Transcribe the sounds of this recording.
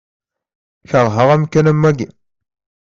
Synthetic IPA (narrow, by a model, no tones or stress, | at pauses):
çəɾˤɦəʁæmkænæmːæɡi